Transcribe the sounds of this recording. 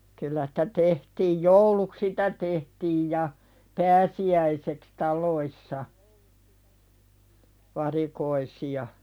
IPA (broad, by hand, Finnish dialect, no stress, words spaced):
kylːæ si̥tæ tehtiːj jouluk sitæ tehtiːj jɑ pæːsiæiseks tɑlˑoisːɑ ʋɑrikoisiɑ